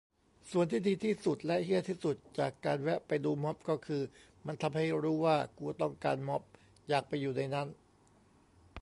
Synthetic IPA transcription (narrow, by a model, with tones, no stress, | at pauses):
su˨˩ənt̪ʰiː˥˩diː˧t̪ʰiː˥˩su˨˩t̪̚lɛ˦˥ʔhi˥˩ət̪ʰiː˥˩su˨˩t̪̚t͡ɕaː˨˩kːaː˧nwɛ˦˥ʔpa˧jduː˧mɔ˦˥p̚kɔː˥˩kʰɯː˧ | ma˧nt̪ʰa˧mha˥˩jɾuː˦˥waː˥˩ku˧ɐt̪ɔ˥˩ŋkaː˧nmɔ˦˥p̚ | jaː˨˩k̚pa˧jːuː˨˩na˧jna˦˥˨n